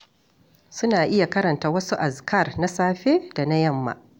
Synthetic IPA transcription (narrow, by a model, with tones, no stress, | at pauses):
sʊ˦naː˨ʔɪ˦ja˨kɐ˦ɾɐ˨ntaː˦wɐ˦su˦ʔa˨skɐ˦˨rna˦saː˦ɸeː˦da˨na˦jɐ˦˨mːa̰˨